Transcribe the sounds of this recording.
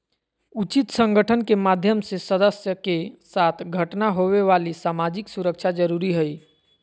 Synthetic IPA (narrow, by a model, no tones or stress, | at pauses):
ut͡ʃit̪sə̃ŋɡəʈʰənkemad̪ʱjəmsesəd̪əsjəkesat̪ʰɡʱəʈnaɦoβeʋalisamad͡ʒiksuɾək̚t͡ʃʰad͡ʒəɾuɾiɦəj